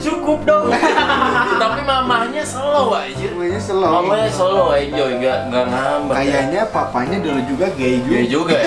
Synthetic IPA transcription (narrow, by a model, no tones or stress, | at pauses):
t͡ʃukʊp̚dɔŋ | t̪apimamahɲasolɔwaid͡ʒmaɲasəlaaaɲasolɔwaid͡ʒɔɡaʔŋɡanamakajaɲapapaɲadəlod͡ʒuɡaɡad͡ʒuɡad͡ʒuɡa